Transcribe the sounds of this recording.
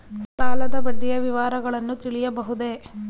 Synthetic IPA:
t̪aːlɐd̪ɐbɐɖːijɐʋiʋaːɾɐɡɐɭɐnːut̪iɭijɐbɐɦud̪e̞

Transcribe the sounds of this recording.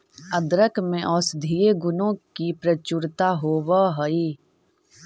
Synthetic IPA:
əd̪ɾəkmẽʔɔːsd̪ʱieɡʊnõkipɾət͡ʃuɾt̪aɦoːwaɦɐiː

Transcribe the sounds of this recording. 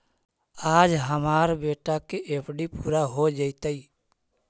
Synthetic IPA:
aːd͡ʒɦəmaːɾbeːʈakeʔepʰɖipuːɾaɦod͡ʒəɪt̪əi

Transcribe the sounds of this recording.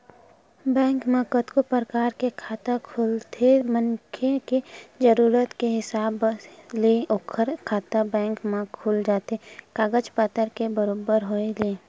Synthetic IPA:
bɛ̃ːŋkməkət̪kopəɾəkaːɾkekʰaːt̪akʰuːlt̪ʰemənkʰeked͡ʒəɾuːɾət̪keɦɪsaːbleʔokʰəɾkʰaːt̪abɛ̃ːŋkmẽkʰuːld͡ʒaːt̪ekaːɡəd͡ʒpat̪əɾkebəɾoːbəɾɦoeleː

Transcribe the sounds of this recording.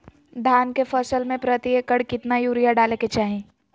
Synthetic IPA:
d̪ʱaːnkefəsəlmẽpɾət̪iekəɽkɪt̪najuːɾijaɖaːleket͡ʃaːɦẽː

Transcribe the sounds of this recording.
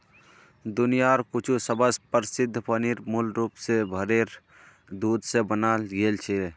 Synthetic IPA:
d̪ʊnijaɾkut͡ʃʰusəbəspəɾsɪd̪ʱːpəniɾmulɾuːpsebʱəɾeɾ | d̪uːd̪ʱsebənalɡelt͡ʃʰe

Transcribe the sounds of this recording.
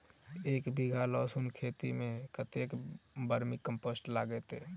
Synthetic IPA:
eːkbʱiɡʱalɔːsunkʰeːt̪imẽkət̪ekbəɾmikəmpoːsʈlaːɡɛt̪e

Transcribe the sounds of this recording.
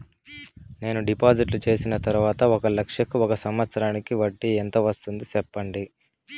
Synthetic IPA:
ne̞ːnuɖipaːd͡ʒiʈlut͡ʃe̞ːsinɐt̪ɐɾuʋaːt̪ɐɔkɐlɐkʂjɐkuɔkɐsɐmʋɐt̪sɐɾaːnikiʋɐʈːiɛnt̪ɐʋɐst̪und̪isɛpːɐɳɖi

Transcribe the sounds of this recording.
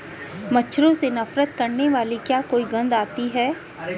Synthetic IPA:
mɐtːʃʰɾõsenɐfɾət̪̚kɐɾneʋaːlikjaːkoːiɡɐ̃nd̪aːt̪iɦɛː

